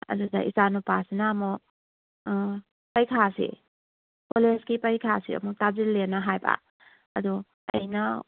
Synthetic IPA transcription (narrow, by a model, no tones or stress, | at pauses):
ɐ̰zudaʔisanupasinaːmɔ | pajkʰasḭ | koleskipajkʰasḭɔ̰mɔtazilːenaɦajba̰ | ɐdu | ɐ̰jna